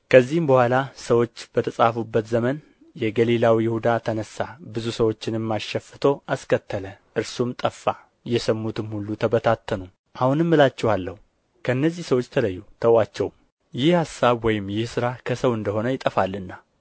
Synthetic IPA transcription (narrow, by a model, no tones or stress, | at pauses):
kʰəzːihɨmbəhʷalasəwo̞t͡ʃːb̥ət̪ʰəsʼafubːət̪zəmən | jɛɡəlilawijɪhud̪at̪ʰənəsːabɨzusəwo̞t͡ʃːɪnɪmːaʃɛfːɨt̪ʰo̞ʔaskʰət̪ʰːələʔɨɾsumt̪ʼəfːa | jɛsəmːut̪ɨmhulːut̪ʰəbət̪ʰat̪ʰːənu | ʔahunɨmːɨlat͡ʃːɛwalːəhu | kʰəɨnːəzːihsəwo̞t͡ʃːt̪ʰələjːut̪ʰəwat͡ʃːɛwm | jɪhhasːaβwɔjɪmːjɪhsɨɾakʰəsəwɨnd̪əho̞nəjɪt̪ʼːəfalːɨnːa